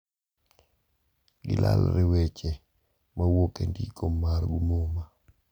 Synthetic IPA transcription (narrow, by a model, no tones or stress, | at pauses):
ɡɪ̰lʔa̰lɾɪwɛt͡ʃe | mawokendikomaɾɡumoma